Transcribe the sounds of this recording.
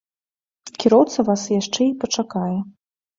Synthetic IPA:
kʲiɾɔwt̪sɐvasjaʂt͡ʂɛipɐt͡ʂakajɛ

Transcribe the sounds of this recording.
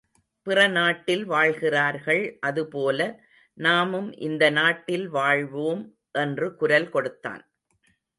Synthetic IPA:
pɪrɐnaːʈːɪlʋaːɻɣɪraːɾɣɐɭʔɐðɯpoːlɐ | naːmɯmʔɪ̰nd̪ɐnaːʈːɪlʋaːɻʋoːm | ʔɛndrɯkʊɾɐlkɔɽɯt̪ːa̰ːn

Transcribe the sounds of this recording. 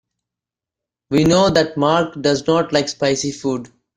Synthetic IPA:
ʋiːnoːd̪æʈmaːɾkɖʌznɔːʈlaɪkspaɪsifuːɖ

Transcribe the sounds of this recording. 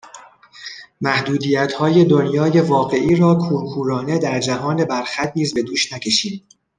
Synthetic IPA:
mæhd̪uːd̪iːjæt̪ʰhɒːje̞d̪o̞njɒːje̞vɒːɢe̞ʔiːɾɒːkʰuːɾkʰuːɾɒːne̞d̪æɾd͡ʒæɦɒːne̞bæɾxæt̪̚niːzbe̞d̪uːʃnæcʲʰe̞ʃiːn

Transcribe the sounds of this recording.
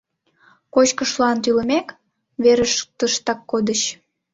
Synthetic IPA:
kot͡ɕkəʃlɑnt̪ylə̆mek | βeɾəʃt̪əʃt̪ɑkːod̪əɕ

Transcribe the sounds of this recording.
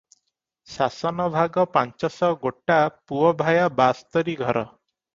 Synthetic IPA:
sasɔnɔbʱaɡɔpant͡ʃɔsɔɡoʈapuɔbʱajabast̪ɔɾiɡʱɔɾɔ

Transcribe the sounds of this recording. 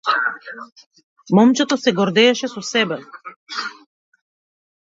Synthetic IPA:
mɔmt͡ʃɛt̪osɛɡɔɾd̪ɛɛʃɛsɔsɛbɛ

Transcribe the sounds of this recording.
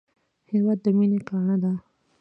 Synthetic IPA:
hewat̪̚d̪əminekaːɳad̪a

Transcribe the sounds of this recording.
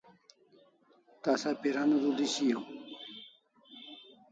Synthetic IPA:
t̪asapiɾanuɾud̪iɕijo

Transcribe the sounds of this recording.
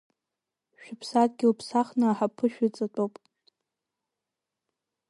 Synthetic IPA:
ʃᶣɪpʰsatʼɡʲɪlpʰsaχnaħapʰɨʃᶣɪt͡sʼatʷʼowpʼ

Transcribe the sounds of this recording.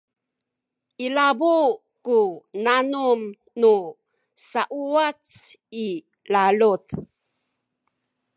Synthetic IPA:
ʔilabu | kunanum | nu | saʔuat͡s | i | laluθ

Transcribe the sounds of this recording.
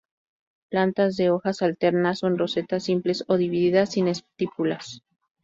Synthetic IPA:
plant̪azðe̞o̞xasalt̪e̞ɾnaso̞nro̞se̞t̪asimple̞so̞ðiβiðiðasine̞st̪ipulas

